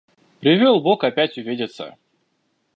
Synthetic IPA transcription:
pɾʲɪvʲolˠbokɐpʲætʲʊvʲedʲɪt̪sə̰

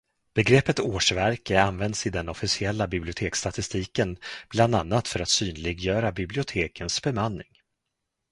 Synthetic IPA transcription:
b̥ɛɡɾɛpːət̪oːʂvæɾkəanvɛnd̪sɪd̪ɛnɔfɪsɪɛlːabɪblɪʊt̪ʰeːkst̪at̪ɪst̪iːkənb̥land̪anːat̪fœɾat̪syːnlɪɡjœːɾabɪblɪʊt̪ʰeːkʰənsbɛmanːɪ̰ŋ

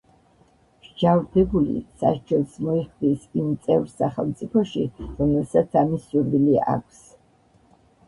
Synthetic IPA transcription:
ʒ̥d͡ʒavd̪ɛbulḭsa̰ʃd͡ʒɛlsmɔiχd̪isimt̪sʼɛvɾsaχɛlˠmt̪sʼipʰɔʃiɾɔmɛlˠsat̪sʰamisːuɾvilia̰kʷʰs

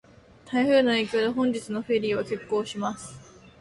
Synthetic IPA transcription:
t̪ʰaiɸɯ̟ːnae̞ːkʲo̞ːd̪eɦõ̞ɲ̟d͡ʑit͡sɨno̞ɸe̞ɾʲiːβ̞ake̞kːo̞ːɕimasɨ̥

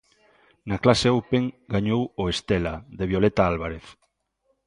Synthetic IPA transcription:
naklaseowpeŋɡaɲowoest̪elaðeβ̞jolet̪aalβ̞aɾeθ

